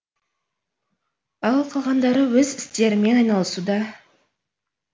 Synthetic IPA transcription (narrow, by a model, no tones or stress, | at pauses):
ɑlˠqʰɑlˠʁɑnd̪ɑɾəwɵzɪst̪e̞ɾɪme̞nɑjnɑlˠəsud̪ɑ